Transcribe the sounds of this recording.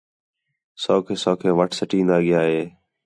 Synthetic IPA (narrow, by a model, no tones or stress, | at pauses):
soːkʰeːsoːkʰeːʋəʈʰsəʈĩːnd̪aːɠɪjaːɦeː